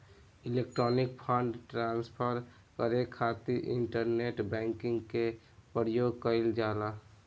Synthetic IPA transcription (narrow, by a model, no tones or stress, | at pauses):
ɪlek̚ʈɾɔːnɪk̚pʰə̃ɳɖʈɾaːnspʰəɾ | kəɾekʰːaːt̪iʔɪ̰ɳʈəɾneʈbɛ̃ːŋkɪ̃ŋɡke | pəɾjoːɡ̚kəɪld͡ʒaːla